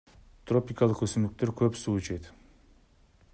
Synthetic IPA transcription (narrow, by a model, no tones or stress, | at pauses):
t̪ro̞pʲikɑlˠəqɵsymd̪yk̚t̪e̞ɾkʰøpsuːt͡ʃʰet̪